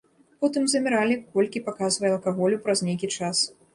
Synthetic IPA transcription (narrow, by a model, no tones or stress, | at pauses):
pɔt̪ɨmzɐmʲɛɾalʲikɔlʲkʲipakazvɐjɐlˠkaɣɔlʲupɾɐznʲejkʲit͡ʂas